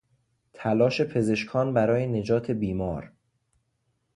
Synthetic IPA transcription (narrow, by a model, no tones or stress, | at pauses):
t̪ʰælɒːʃe̞pʰe̞ze̞ʃkʰɒːnbæɾɒːjene̞d͡ʒɒːt̪ʰe̞biːmɒːɾ